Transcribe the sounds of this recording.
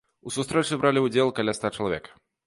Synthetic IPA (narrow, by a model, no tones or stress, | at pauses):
usust̪ɾɛt͡ʂɨbɾalʲiud͡zʲɛlˠkalʲast̪at͡ʂɐlˠavʲɛ̰kɐ̥